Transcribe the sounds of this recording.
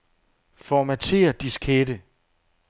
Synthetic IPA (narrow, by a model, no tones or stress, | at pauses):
fɒmæt͡sʰe̝̰ːɐd̥iskʰedə